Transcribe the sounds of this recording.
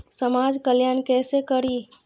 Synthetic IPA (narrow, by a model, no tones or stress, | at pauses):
səmad͡ʒkəljankɛsekəɾi